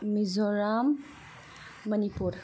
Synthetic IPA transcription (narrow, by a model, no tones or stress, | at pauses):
mizɔɾam | anipuɾ